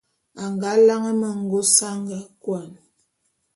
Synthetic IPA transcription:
a˨ŋɡa˨˦la˦ŋə˦mə˨ŋ̩˦˨ɡo˦sa˦ŋɡa˨kwa˨n

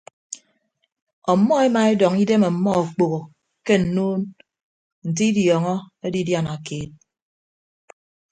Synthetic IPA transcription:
ɔ˨˦mːɔ˦e˦ma˨e˦dɔ˨ŋi˦de˦me˨m̩˨mːɔ˦o˨k͡po˨ɣo˨ | ke˦n̩˨nuː˦n | n̩˨t̬i˦i˦djɔː˨ŋɔ˦ | e˦di˦dja˦na˨keː˨t̚

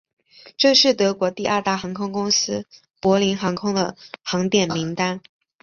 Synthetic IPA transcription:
ʈ͡ʂɤ˥˧ʂɻ̩˥˩t̪ɤ˧˥kwɔ˧˥t̪i˥˧ʔɐ˞˥˧t̪a˥˩xɑ˧˥ŋkʰʊ˥ŋkʊ˥ŋsɹ̩˥ | pwɔ˧˥li˧˥nxɑ˧˥ŋkʰʊ˥ŋd̪ə̰˨˩xɑ˧˥ŋt̪jɛ˨˩nmi˧˥ŋt̪a˥n

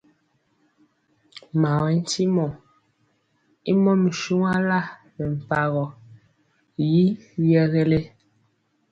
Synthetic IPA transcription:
ma˨wɛ˨˦n̩˦ti˦mɔ˨ | i˦mɔ˦me˨ʃu˦ŋa˦la˦˨ | mɛ˨m̩˨pa˨ɣɔ˨ | ji˦jɛ˦ɣɛ˦le˦

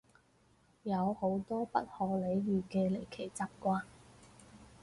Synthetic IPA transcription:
jɐ˨˧who˨˥wt̪ɔː˥pɐ˥t̚hɔː˨le˨˧jjyː˨˩kɛː˧le˨˩jkʰe˨˩jt͡sɐ˥p̚kʷaː˧˥n

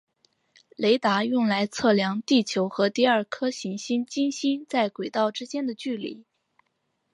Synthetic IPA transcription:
le˧˥ɪt̪a˧˥jʊ˥˩ŋla˧˥ɪt͡sʰɤ˥˩ljɑ˧˥ŋt̪i˥˩t͡ɕʰjo˧˥ʊxɤ˧˥t̪i˥˧ɐ˞˥˩kʰɤ˥ɕi˧˥ŋɕi˥nt͡ɕi˥nɕi˥nt͡sa˥˩ɪkwe˨˩ɪt̪ɑ˥˩ʊʈ͡ʂɻ̩˥t͡ɕjɛ˥nd̪ə˨t͡ɕy˥˩lḭ˨˧˩

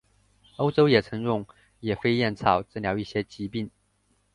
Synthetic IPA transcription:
o˥ʊʈ͡ʂo˥ʊjɛ˨˩t͡sʰɤ˧˥ŋɻʊ˥˩ŋ | jɛ˨˩fe˥ɪjɛ˥˩nt͡sʰɑ˨˩ʊt͡s̩˥˩ljɑ˧˥ʊi˥˩ɕjɛ˥t͡ɕi˧˥pi˥˩n

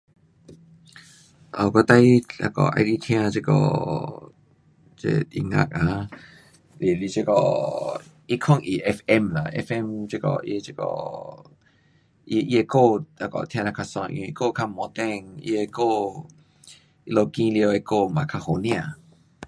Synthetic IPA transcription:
ʔo˨kɔ˧˦t̪a˧˦jla̰˧kɔ̰˨ʔa̰˧jdi˧t̪ʰj̃ã˧t͡ʃe˧kɔ̰˧˨ | t͡ʃḛ˧ḭ˨ŋã̰˧˨k̚a˨ | li˨li˧˨t͡ʃe˧kɔ̰˨ | i˦kʰɔ̃˥˧˨ŋʔi˨ʔɛ˧fɛ˧mla̰˨ʔɛ̰˧fɛ˧mt͡ʃe˦˧kɔ̰˨ʔḭ˧e˧t͡ʃe˧kɔ̰˨ | ʔi˧ʔi˦e˧ko˥˧˨a˧kɔ̰˨t̪ʰj̃ã˧la˧kʰa˧sɔ̰̃˧˨˧ʔĩ˧i˧ko˥˧˨kʰa˧mɔ̃˨˦t̪ɛ˧ŋḭ˧e˧ko˧˨ | ʔi˧lo˧kĩ˧li˧o˧e˧˨ko˥˧˨mã˨kʰa˧ho˨nĩ˧ã˧˨

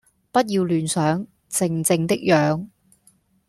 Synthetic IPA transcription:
pɐ˥t̚jiː˧wlyː˨nsœː˨˥ŋ | t͡sɪ˨˧ŋt͡sɪ˧ŋt̪ɪ˥k̚jœː˨˧ŋ

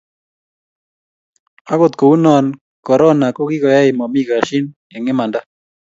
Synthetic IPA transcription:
a˦ko˦t̪ko˨u˦nɔ˨n | kɔ˨ɾɔ˦na˨ko˦ki˦kɔ˨ja˦ɪ˨mɔ˨mi˦ka˨ʃi˦n | ɛ˨ŋɪ˦ma˨nda˦

